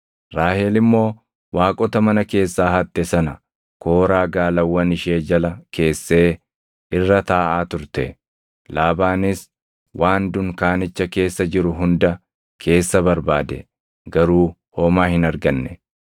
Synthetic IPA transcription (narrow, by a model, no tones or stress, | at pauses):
ɾaːheːlɪmːo̞ː | waːkʼɔt̪ɐmɐnɐke̞ːsːaːhɐt̪ːɛsɐnɐ | ko̞ːɾaːɡaːlɐwːɐnɪʃe̞ːd͡ʒɐlɐkʰe̞ːsːe̞ː | ɪrːɐt̪aːʔaːt̪ʊɾt̪ɛ̰ | laːbaːnɪs | wʔaːnd̪ʊŋkaːnɪt͡ʃːɐke̞ːsːɐd͡ʒɪɾʊɦʊnd̪ɐ | kʰe̞ːsːɐbɐɾbaːd̪ɛ̰ | ɡɐɾuː | ho̞ːmaːhɪnɐɾɡɐnːɛ